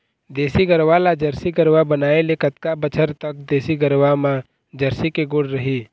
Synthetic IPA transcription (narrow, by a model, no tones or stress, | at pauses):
d̪eːsiɡəɾʋalad͡ʒəɾsiɡəɾʋabənaːelekət̪kabət͡ʃʰəɾt̪ək̚d̪eːsiɡəɾʋamã | d͡ʒəɾsikeɡʊɽɾəɦiː